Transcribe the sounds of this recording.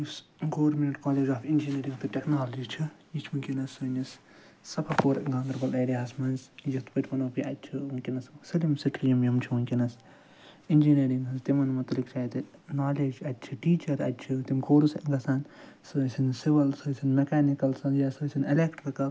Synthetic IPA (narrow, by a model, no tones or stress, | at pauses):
usɡoːɾmeɳʈkaːleːd͡ʒaːfind͡ʒiniːɾĩŋɡt̪ɨʈʲeknaːlɐd͡ʒit͡ʃʰijit͡ʃʰmɨkʲinɐsːɨːnʲɐs | sɐpʰakoːɾŋɡaːŋɡɾbɐlɐːɾijaːsmɐnzjit̪ʰpɐʈʲmɐnoːpiʔɐt̪̚ʲt͡ʃʰikʲinɐssilimsiʈʰlijɐmjumt͡ʃʰiuŋkʲinɐs | inʲd͡ʒiniːɾiŋɡzt̪imɐnmɐt̪ɐlikt͡ʃʰaːjt̪ɨnaːleːd͡ʒɐt̪̚ʲt͡ʃʰiʈiːt͡ʃɐɾɐ̰t̪̚ʲt͡ʃʰit̪imkoːɾusŋɡɐsaːnsɨsinsiʋɐlsoːsinmɐkaːnikɐlsɐnjaːsosʲinilekʈɾɨkɐ